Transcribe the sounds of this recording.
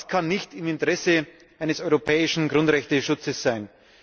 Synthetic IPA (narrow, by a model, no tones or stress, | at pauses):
skʰanːɪçtɪmɪntəʁɛsə | ʔaɪnəsɔʏʁopʰɛːɪʃn̩ɡʁʊntʁɛçtəʃʊt͡səsz̥aɪn